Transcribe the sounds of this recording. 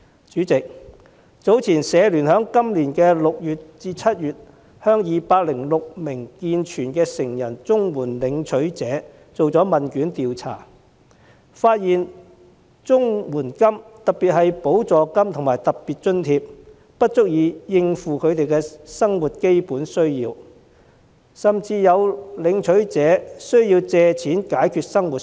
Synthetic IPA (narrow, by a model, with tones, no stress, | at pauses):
t͡ʃyː˨˥t͡sɪ˨k̚ | t͡so˨˥wt͡sʰiː˨˩nsɛː˨˧lyː˨˩nhœː˨˥ŋkɐ˥mliː˨˩nkɛː˧lʊ˨k̚jyː˨t̚t͡siː˧t͡sʰɐ˥t̚jyː˨t̚ | hœː˥ŋjiː˨˧paː˧t̚lɪ˨˩ŋlʊ˨k̚mɪ˨˩ŋkiː˧nt͡ʃʰyː˨˩nkɛː˧sɪ˨˩ŋjɐ˨˩nt͡sʊ˥ŋwuː˨˩nlɪ˨˧˥ŋt͡sʰɵ˨˥ɥt͡sɛː˨˥ | t͡so˨wt͡sɔː˨˥mɐ˨nkyː˨˥nt̪iː˨wt͡sʰa̰ː˨˩ | faː˧t̚jiː˨n | t͡sʊ˥ŋwuː˨˩nkɐ˥mt̪ɐ˨k̚pi˨t̚hɐ˨jpo˨˥wt͡sɔː˨kɐ˥mt̪ʰʊ˨˩ŋmaː˨˩jt̪ɐ˨k̚piː˨˩t̚t͡ʃɵ˥nt̪ʰiː˧p̚ | pɐ˥t̚t͡sʊ˥k̚jiː˨˧jɪ˧ŋfuː˨kʰɵ˨˧t̪e˨jkɛː˧sɐ˥ŋwuː˨t̚ke˥jpuː˨˥nsɵ˥ɥjiː˧w | sɐ˨mt͡siː˧jɐ˨˧wlɪ˨˧ŋt͡ʃʰɵ˨˥ɥt͡sɛː˨˧˥sɵ˥ɥjiː˧wt͡sɛː˨˧t͡sʰiː˨˥nkaː˨˥jkʰyː˧t̚sɐ˥ŋwuː˨t̚